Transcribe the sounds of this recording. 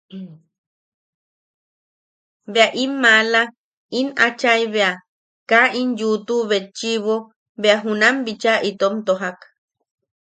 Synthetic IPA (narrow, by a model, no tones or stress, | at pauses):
beaʔimːala | inat͡ʃajβea | kaʔinjut̪uβet͡ʃiβo | beaɦunambit͡ʃaʔit̪omt̪oɦak